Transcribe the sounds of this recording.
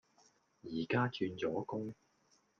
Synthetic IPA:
jiː˨˩kaː˥t͡ʃyː˧nt͡sɔː˨˥kʊ˥ŋ

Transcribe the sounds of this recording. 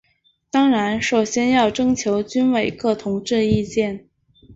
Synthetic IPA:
t̪ɑ˥ŋɻa˧˥nʂo˨˩ʊɕjɛ˥njɑ˥˩ʊʈ͡ʂɤ˥ŋt͡ɕʰjo˧˥ʊt͡ɕy˥nwe˨˩ɪkɤ˥˩t̪ʰʊ˧˥ŋʈ͡ʂɻ̩˥˧i˥˧t͡ɕjɛ˥˩n

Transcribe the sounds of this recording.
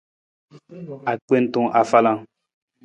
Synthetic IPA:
a˨k͡pe˦n̩˦t̪õ˦ʔa˨fa˦lã˦˨

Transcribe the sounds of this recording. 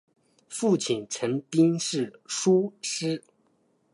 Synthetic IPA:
fu˥˩t͡ɕʰi˨˩nʈ͡ʂʰə˧˥ŋpi˥ŋʂɻ̩˥˩ʂu˥ʂɻ̩˥

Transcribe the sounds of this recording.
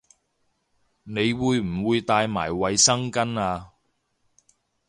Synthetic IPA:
ne˨˧jwuː˨˧jm̩˨˩wuː˨˧jt̪aː˧jmaː˨˩jwɐ˨jsɐ˥ŋkɐ˥naː˧

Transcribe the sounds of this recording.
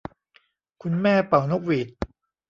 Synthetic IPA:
kʰu˧nmɛː˥˩pa˨˩wno˦˥k̚wi˨˩t̪̚

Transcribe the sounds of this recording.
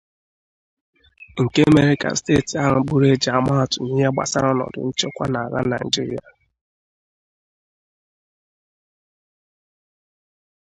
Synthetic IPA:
ŋ̩˨ke˦a˦me˦ɾi˦ka̰˨n̩˨stḛ˦˨ti˨a˦ɦʊ˨˦ɡ͡bu˦ɾe˦d͡ʒa˨ma˦˨tʊ˨ɲi˦ɦe˦ɡ͡ba̰˨sa̰˦ɾɔ˦nɔ̰˨dʊ̰˨n̩˦t͡ʃe˦kʷa˦na˨a˨ɣa̰˦na˨d͡ʒi˦ɾi˨a̰˨

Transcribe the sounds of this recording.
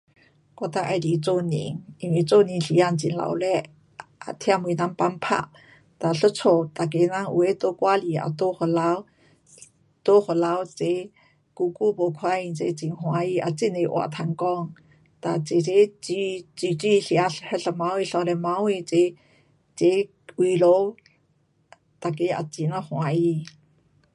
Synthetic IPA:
kɔ˧t̪a˧ʔa˧jli˨t͡so˥˧˨nḭ˧˨ŋi˧nwi˧˨t͡so˥˧˨ni˧nɬi˧˦a˧˨nt͡si˨nla̰˧˨wlɛ˧˦ | ʔa̰˨t̪ʰja˥˧˨me˧˨˦na˧˦ŋpa˧˥npʰa̰˧˨ʔ | t̪a˨ɬə˥t͡sʰo˨˧t̪a˨k̬e˧˦na˧˥ŋʔṵ˧˨e˧˦t̪o˧˦kwa˧˦li˧˨a̰˨t̪o˧˦ho˨la˧w | t̪o˧˦ho˨la˧˦wt͡se˧˦ | ku˧ku˦po˨kʰwa˦i˧nt͡se˧˦t͡si˧˨ŋhw̃a˧i˧ʔa˨t͡si˦ne˧ʔw̰a̰˨t̪ʰa˧˨ŋkɔ˦ŋ | ta˨t͡se˨t͡se˦t͡si˦t͡si˨t͡ʃi˦ɬi˧a˧ɬhə˦ɬə˧˨ma˧we˧ɬɔ˧le˧ma˧˦we˧t͡se˨ | t͡se˧˦ | wi˧˨lo˧˦ | ta˨k̬e˦a̰˨t͡si˧˨na˦hw̃a˧i˧

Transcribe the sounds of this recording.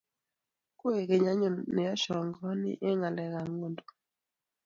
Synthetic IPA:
ko˦e˨ke˨ɲa˦ɲo˨ne˨ɔ˦ʃɔ˨ŋɡɔ˦nɪ̰˦ʔe˦ŋa˨lɛ˨ɣa˨ŋo˦˨ndo̥˨

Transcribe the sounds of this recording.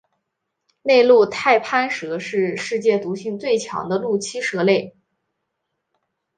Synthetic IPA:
ne˥˧ɪlu˥˧t̪ʰa˥˩ɪpʰa˥nʂɤ˧˥ʂɻ̩˥˧ʂɻ̩˥˧t͡ɕjɛ˥˩t̪u˧˥ɕi˥˧ŋt͡swe˥˩ɪt͡ɕʰjɑ̰˧˥ŋd̪ə˧lu˥˩t͡ɕʰi˥ʂɤ˧˥le˥˩ɪ

